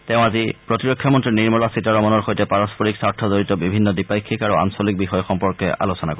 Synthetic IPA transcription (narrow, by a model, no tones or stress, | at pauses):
teʊ̃azipɹotiɹokʰːjɔmɔntɹiniɹmɔlasitaɹɔmɔnɔɹxojtɛpaɹɔspoɹiksaɹtʰɔzoɹitɔbibʱinːɔdipajkʰːikaɹua̰nsolik̚bixɔjɔxɔmpɔɹkɛʔa̰losɔnakɔ